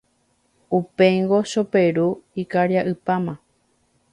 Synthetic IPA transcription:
upe̞ŋɡo̞ʃo̞peɾuikaɾjaʔɨpamã

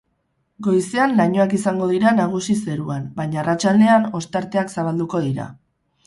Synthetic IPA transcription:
ɡo̞jse̞anlaɲo̞akisaŋɡo̞ð̞iɾanaɣ̞usise̞ɾuanbaɲaːrat͡ʃald̪e̞ano̞st̪aɾt̪e̞aksaβ̞ald̪uko̞ðiɾa̰

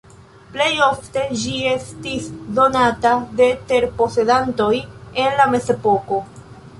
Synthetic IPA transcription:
ple̞jo̞fte̞d͡ʒie̞stisdo̞natade̞te̞ɾpo̞se̞danto̞je̞nlame̞ze̞po̞ko̞

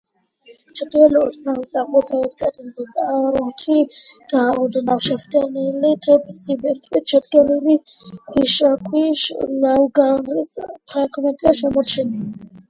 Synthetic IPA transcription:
t͡ʃʰɛd̪ɡɛluit̪ʰnawisaqʼɔsaɛt̪kʼɛt̪ʰʼimzɛt̪ʼaɾɔmt̪ʰiɡ̥aɔd̪nawʃɛsɡʼɛnilit̪ʰʼɛbisibɛɾt̪ʼwit̪̚t͡ʃʰɛd̪ɡɛlulikʰwiʃakʰwiʃnawɡanɾispʰɾaɡmɛnt̪ʼiaʃɛmɔɾt͡ʃʰɛnili

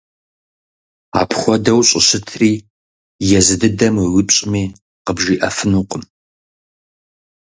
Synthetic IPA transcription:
a̰ːpʰχʷɔdɐwɕʼɪɕɪtʰriː | jɛzɨdɨdɐmɨwɪpɕʼɪmiː | qəbʒiːʔɐfɨnuːqʼəm

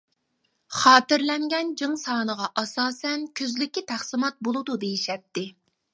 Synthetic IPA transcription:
χɑːt̪ɪɾlɛŋɡʲɛnd͡ʒɨŋsɑːnəʁɑʔɑsɑːsɛnkʲʰøzlɪkʲːit̪ʰæχsɨmɑt̪̚bolˠɨd̪ud̪ejiʃɛp̚t̪ːɪ

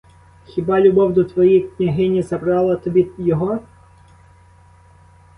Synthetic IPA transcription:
xʲibɑlʲʊbɔwd̪ɔt̪ʋɔjijknʲɐɦɪnʲizɐbɾɑlˠɐt̪ɔbʲijɔɦɔ

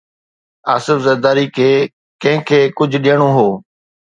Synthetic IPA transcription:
aːsɪfzɐɾd̪aːɾikʰeː | kɐ̃ɦɪ̃kʰeːkʊd͡ʑʱɗijəɽ̃oɦoː

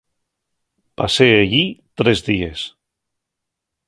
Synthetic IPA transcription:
paseaʎit̪ɾɛzðies

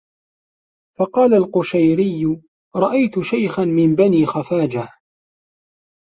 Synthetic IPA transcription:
fɑqɑːlalqʊʃajɾɪjːʊ | ɾˤɑʔajt̪ʊʃajxanmɪmbaniːxafaːd͡ʒa

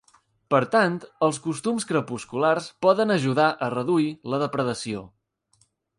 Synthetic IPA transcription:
pəɾt̪ant̪əlˠskust̪umskɾəpuskularspɔðənəʒuðaʔərəðuiləðəpɾəðəsio

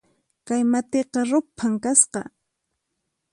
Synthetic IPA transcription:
kajmat̪eqɑɾʊpʰaŋkasqɑ

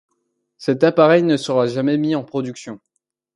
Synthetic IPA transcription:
sɛt̪apaʁɛjnəsəʁaʒamɛmiɑ̃pχɔd̪yksjɔ̃

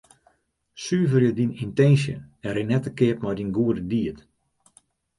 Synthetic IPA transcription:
syːvərjədinintɛnsjə̰ɛɾenɛtəkɪəpmɔjdinɡuədədiət

